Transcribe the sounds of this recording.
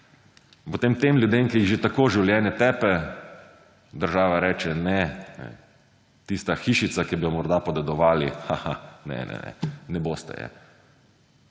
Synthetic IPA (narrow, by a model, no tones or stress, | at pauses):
pot̪eːmt̪emlʲjud̪eːmkijiɣʒet̪akoːʒiwljɛːnɛt̪ɛpɛ | d̪əɾʒaːʋaɾɛːt͡ʃɛnɛnɛ̰ | t̪ist̪axiːʃit̪sakibijɔmɔɾd̪apɔd̪ɛd̪ɔʋaːlḭxahanɛ̰nɛ̰nɛ̰nɛbost̪ɛ̰jɛ̰